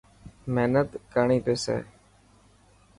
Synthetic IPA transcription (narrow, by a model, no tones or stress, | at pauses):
meːnət̪kəɳiːpeːsḛː